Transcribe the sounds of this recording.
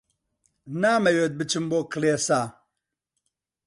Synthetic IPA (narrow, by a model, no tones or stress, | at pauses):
naːmɐjeːt̪̚bɨt͡ʃɨmboːkɨleːsaː